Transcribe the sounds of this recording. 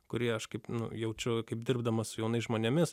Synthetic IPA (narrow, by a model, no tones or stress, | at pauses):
kʊɾʲiɛɐʃkɐɪpnʊ̰jɛʊt͡ʃʲʊkɐɪp̚d̪ʲɪrbd̪ɐmɐsʊjɛʊnɐɪsʒmoːnʲɛmʲɪs